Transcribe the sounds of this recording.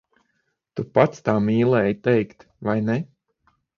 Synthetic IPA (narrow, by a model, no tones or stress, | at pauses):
t̪upat̪st̪aːmiːlˠɛːjt̪ɛjkt̪ | vajnɛ